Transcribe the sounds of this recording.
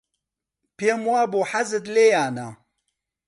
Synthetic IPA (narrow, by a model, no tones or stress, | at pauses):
pemwaːboːħazɨt̪leːjaːna